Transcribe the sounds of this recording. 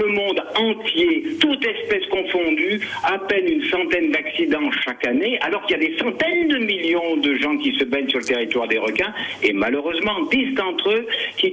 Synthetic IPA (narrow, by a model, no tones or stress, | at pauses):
ləmɔ̃d̪ɑ̃t̪jet̪ut̪ɛspɛskɔ̃fɔ̃d̪yapɛlynsɑ̃t̪ɛnd̪aksid̪ɑ̃ʃakanea̰lɔʁkiljad̪esɑ̃t̪ɛnd̪əmiljɔ̃d̪əʒɑ̃kʲisəbɛnsyʁlət̪eʁit̪waʁd̪eʁɔkɛ̃emaløʁøzmɑ̃d̪isd̪ɑ̃t̪χøkʲi